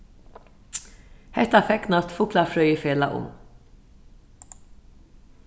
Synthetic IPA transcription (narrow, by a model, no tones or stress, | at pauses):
hɛt̪afɛknɑt̪fʊklafɾœʏəfeːla̰ʔʊ̰m